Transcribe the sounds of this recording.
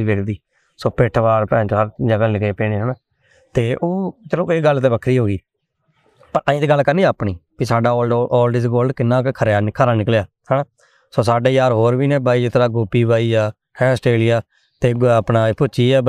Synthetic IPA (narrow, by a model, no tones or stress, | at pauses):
iːʋeːkʰd̪iː | soːpeʈʰʋaːɾpɛ̃ːt͡ʃoɦəɾd͡ʒəɡaːlɪɡeːpeːniːonː | t̪eːʔoːt͡ʃəlõːeːɡəlːt̪ẽːʋəkʰɾiːɦoːɡiː | pəɾʔə̃ĩːt̪eːɡəlːkəɾniːəːpɳiːpiːsaːɖaːʔɔːlɖɪːsɡoːlɖkɪnːaːkkʰəɾjaːkʰəɾaːnɪklejaː | hɛːnaː | soːsaːɖeːjaːɾɦoːɾʋiːnẽːbaːiːd͡ʒɪt̪ʰɾaːɡʊːpːiːbaːiːaː | hɛ̃ːəsʈeːlɪjaː | t̪eːɡəpnãːpʊt͡ʃiːɛː